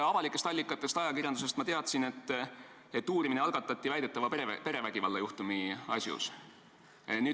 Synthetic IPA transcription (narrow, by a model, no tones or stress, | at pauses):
ɑvɑlikːˑe̞st̪ɑlʲːikːˑɑt̪ːˑe̞st̪ɑjɑkirʲjɑnd̪us̬e̞st̪mɑt̪e̞ɑt̪sine̞t̪ː | et̪ːuːɾimineɑlɡ̥ɑt̪ːˑɑt̪ʲːˑivæjd̪et̪ːˑɑvɑpe̞ɾe̞væɡ̥ivɑlːɑjuht̪umiɑ̰sʲjṵs | nyː